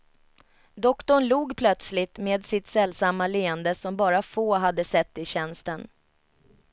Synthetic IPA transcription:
d̪ɔkt̪ɔɳluːɡpʰlœt̪slɪt̪meːd̪sɪt̪sɛlːsamːaleːənd̪əsɔmbɑːɾafoːɦad̪ːəsɛt̪ːɪɕɛnst̪ən

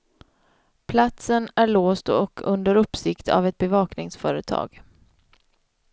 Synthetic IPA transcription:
pʰlat̪sənæɭoːst̪ɔkʰɵnd̪əɾɵpːsɪkt̪ʰa̰vɛt̪̚bɛvɑːknɪŋsfœːɾət̪ʰɑ̰ːɡ̥

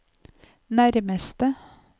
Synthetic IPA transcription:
næɾməst̪ə

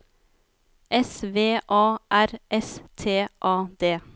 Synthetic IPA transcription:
ʔɛsʋeːʔɑːʔæɾʔɛst̪ʰeːʔɑːd̪eː

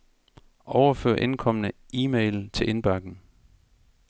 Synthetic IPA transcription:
ʔɒʊɐfø̰ːɐ̰ʔe̝nkʰɒ̽m̰ənəiːmeɪl̩t͡sʰe̝lʔe̝nb̥ɑɡ̥n̩

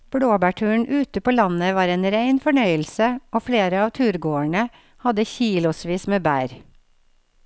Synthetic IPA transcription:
b̥ɽoːbæːʈʰʉːɳ̩ʔʉːt̪əpoːlɑnəʋɑːɾeːnɾæɪnfɔɳœʏəlsəʔoːfɽeːɾəɑːʋt̪ʰʉːɾɡoːəɳə | hɑd̪əçiːlʊsʋiːsmeːbæːɾ

